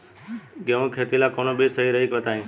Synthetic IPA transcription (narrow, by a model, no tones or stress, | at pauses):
ɡẽʋõːkʰeːt̪iːlaːkoːnoːɓeːsəɦiːɾəɦiːkʋət̪aːɦĩː